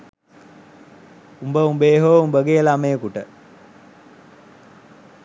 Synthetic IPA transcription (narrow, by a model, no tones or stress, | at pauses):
umbəumbeːɦoumbəɡelaməjəkuʈə